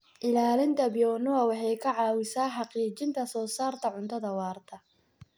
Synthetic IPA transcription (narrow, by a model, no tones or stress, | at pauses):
ʔɪlaːlɪnt̪ʰɐbɪjɔnʊɐwɑħɑjkʰɐʕɑːwɪsaːħɑqiːt͡ʃɪnt̪ʰɐsɔːsaːrt̪ʰɐʕʊnt̪ʰɐðɐwɑːrt̪ʰɐ